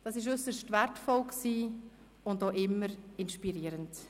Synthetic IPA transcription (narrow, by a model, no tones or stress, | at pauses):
d̥ɑsɪʃ̬ʏsəɾʃtvɛrtfɔlksiː | ʊndoːʔɪmːəɾɪnʃpiɾiːɾənt